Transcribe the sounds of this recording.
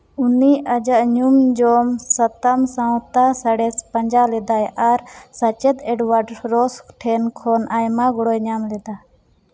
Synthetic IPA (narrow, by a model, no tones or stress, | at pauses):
uniad͡ʒaʔɲumd͡ʒɔmsat̪amsãwt̪asaɽɛspaɲd͡ʒalɛd̪ajʔaɾsat͡ʃɛt̪ɛɖwaɖɾɔsʈʰɛnkʰɔnʔajmaɡɔɽɔjɲamlɛd̪a